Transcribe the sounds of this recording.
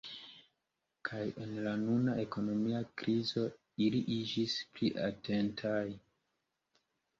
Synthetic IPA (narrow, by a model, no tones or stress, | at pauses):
kʰaje̞nlanunaʔe̞ko̞no̞miakɾizo̞ | iliʔid͡ʒispliʔate̞ntʰaj